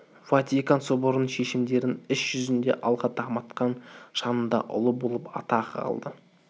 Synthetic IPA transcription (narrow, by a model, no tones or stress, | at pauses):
vat̪ikɑnsoboɾnəɴʃe̞ʃɪmd̪e̞ɾɪnɪsʒ̥ʏzɪnd̪e̞ʔɑlˠʁɑt̪ʰɑmɑt̪qɑnʃɑnənd̪ɑ̰ʔʊ̰lˠəbo̞lˠəpɑ̰t̪ɑʁɑ̰lˠd̪ə